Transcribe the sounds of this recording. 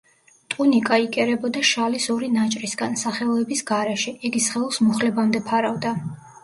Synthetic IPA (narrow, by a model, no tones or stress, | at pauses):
t̪ʼunikʼaikʼɛɾɛbɔd̪aʃalisɔɾinat͡ʃʼɾisɡansaχɛɔɛbisɡaɾɛʃɛɛɡisχɛlˠusmuχlɛbamd̪ɛpʰaɾavd̪a